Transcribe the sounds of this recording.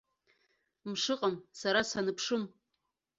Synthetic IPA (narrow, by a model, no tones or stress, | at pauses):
mʂɨqʼamsaɾasanɨpʰʂɨm